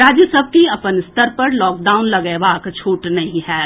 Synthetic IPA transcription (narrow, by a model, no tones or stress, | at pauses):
ɾaːd͡ʒjəsɐb̚ʱkiɐpənɪst̪əɾpɐɾlɔːk̚ɖaːʊnlɐɡɛebaːkt͡ʃʰuːʈnɐɦĩɦɛː